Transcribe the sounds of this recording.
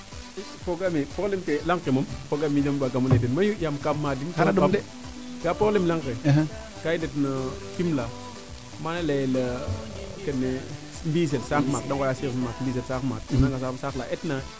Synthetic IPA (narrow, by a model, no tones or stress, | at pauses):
ipoɡamipoklemkelaŋkemumpoɡamijəmbaɡamunedenmajujamkamːadikaadame | ɡapolemlaŋke | kaidetnətimla | manelelə | kənːe | mbis̬elsakmadaŋkajasismakmbis̬elsakma̰t̚naŋɡasasaklaʔetna